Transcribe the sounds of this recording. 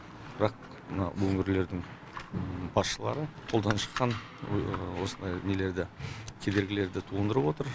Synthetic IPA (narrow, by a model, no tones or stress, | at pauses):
b̥ɪɾɑq̚ | mənɑ̰wɵŋɪɾle̞ɾd̪ɪŋ | b̥ɑsʃəlˠɑ̰ɾəqʰo̞lˠd̪ɑnʃə̥qːɑn | wo̞sənd̪ɑjne̞le̞ɾd̪ɪkʲʰe̞d̪e̞ɾɡʲɪle̞ɾd̪ɪt̪ʰuənd̪əɾəpwo̞t̪əɾ